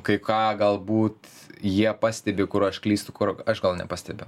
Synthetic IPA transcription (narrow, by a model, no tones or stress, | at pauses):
kɐɪkɑːɡɐlˠbuːt̪ | jiɛpɑːsʲt̪ʲɛbʲɪkʊrɐʃklʲiːst̪ʊkʊrɐʃɡɐlˠnʲɛ̰pɑːsʲt̪ʲɛbʲɛʊ